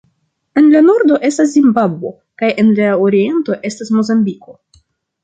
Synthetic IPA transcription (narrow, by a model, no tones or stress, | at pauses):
e̞nlano̞ɾdo̞ʔe̞stas̬zimbabwo̞ | kajʔe̞nlaoɾie̞nto̞ʔe̞stasmo̞zambiko̞